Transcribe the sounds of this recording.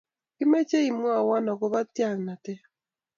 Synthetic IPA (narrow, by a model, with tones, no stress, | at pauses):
kɪ˦me˦t͡ʃe˦i˨mɔ˦a˨wa˦nɔ˨kɔ˦ba˦tja˨ŋna˨tɛ˦